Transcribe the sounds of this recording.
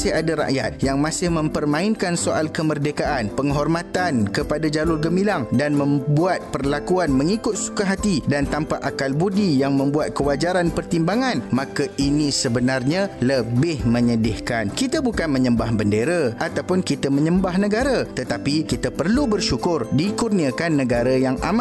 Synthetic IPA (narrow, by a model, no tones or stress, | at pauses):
sɪhadaɾa̰ʔja̰t̪̚jaŋmãsɪhmə̃mpərmãɪnkansoʔalkəmərdekaʔanpəŋɦɔrmãt̪ankəpadad͡ʒalʊrɡəmilaŋdanmə̃mbuat̪̚pərlakuanmə̃ŋikʊt̪̚su̥kaɦat̪idant̪ampaʔakalbudijaŋmə̃mbuat̪̚kəwad͡ʒaɾanpərt̪imbaŋãnmãkaʔinĩsəbənarɲãləbɪhmə̃ɲədɪhkankit̪abukanmə̃ɲə̃mbahbəndeɾaʔat̪awpʊnkit̪amə̃ɲəmbahnə̃ɡaɾat̪ət̪apikit̪apərlubərʃukʊrdikurniakanːəɡaɾajaŋʔama